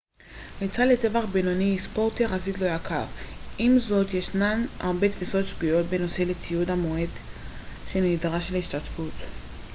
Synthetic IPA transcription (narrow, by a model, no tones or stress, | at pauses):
nit͡salete̞vaχbenoniispo̞ʁt̪jaχazit̪lojakʰaʁʔimzo̞t̪jeʃnana̰ʁbe̞t̪fiso̞tʃɡujo̞t̚beno̞se̞let͡siudamoed̪ | ʃe̞nidʁaʃleiʃt̪atfut̪